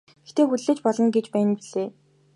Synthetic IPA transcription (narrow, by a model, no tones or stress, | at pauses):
ɡext̪ʰeːxut̪ɮeːt͡ɕpɔɮɞ̆ŋɡet͡ɕpæːnpiɮeː